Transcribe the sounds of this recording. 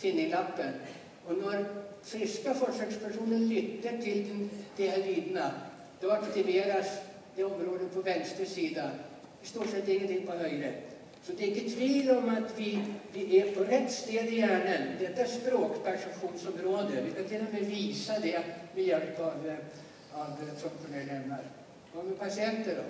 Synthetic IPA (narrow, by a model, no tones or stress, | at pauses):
fɪnːɪŋlapːən | ɔnæɾ | fɾɪskafɔʂɛkspʰæʂuːnənlʏt̪ːəʈʰɪld̪ɛnd̪̥ɛaliːd̪na | d̪̥ɛvakt̪ɪveːɾas | d̪ɛɔmɾoːd̪əpʰɔvɛnst̪ɾəʂiːd̪ḁ | ɛst̪uːʂɛt̪ːɪŋːɡənt̪ʰɪŋpɔhœjɾə | sɔd̪ɛɡ̪ɪt̪ʰviːlɔmat̪vɪvɪʔɛpʰɔɾɛt̪ːst̪eːd̪ɪjæːɳənd̪ɛt̪ːaɛspɾoːkpʰæʂɛmɧuːnsɔmɾoːd̪əvɪkant̪ʰɪlːɔmɛviːsad̪ɛmɛjɛlpɑv | avsɔmfɔɳɛlɭɛmnaɾ | ɔmɛpʰasɪɛnt̪əɖɔ̰